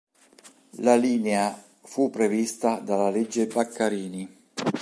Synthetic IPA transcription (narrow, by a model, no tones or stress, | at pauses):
laliːnea | fupːɾevist̪ad̪alaled͡ʒːebakʰːaɾiːni